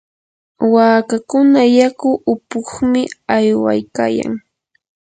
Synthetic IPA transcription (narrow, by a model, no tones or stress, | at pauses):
waːkakʊnajakʊʔʊpʊχmɪajwa̰jkaːja̰ŋ